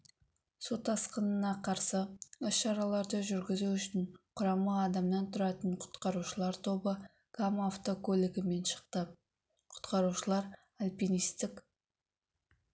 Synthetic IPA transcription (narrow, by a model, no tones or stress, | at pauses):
sot̪ɑsqənənɑqʰɑɾsəʏsʃɑɾɑlˠɑɾd̪əʒʏɾɡʲɪzuʏʃɪnqʰʊɾɑmɑːd̪ɑmnɑnt̪ʰʊɾɑt̪əɴqʰʊ̥t̪qɑɾuʃəlˠɑɾt̪ʰo̞bə | ɡ̥amaft̪okʰolʲeɡʲɪme̞nʃə̥qt̪ə | qʰʊ̥t̪qɑɾuʃəlˠɑɾ | alʲpinijst̪ɪk